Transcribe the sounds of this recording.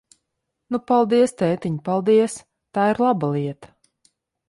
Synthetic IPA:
nupalˠd̪iɛst̪ɛːt̪iɲpalˠd̪iɛs | t̪aːiɾlˠabalˠiɛt̪ḁ

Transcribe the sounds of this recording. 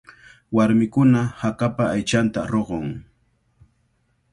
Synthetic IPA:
waɾmɪkʊnahakapaːjt͡ʃant̪aɾoɢoŋ

